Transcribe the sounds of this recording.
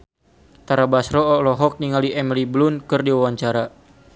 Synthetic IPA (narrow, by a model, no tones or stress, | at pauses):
t̪aɾabasɾɔːlɔɦɔk̚niŋaliʔɛmiliblunkɨrdiwawaɲt͡ʃaɾa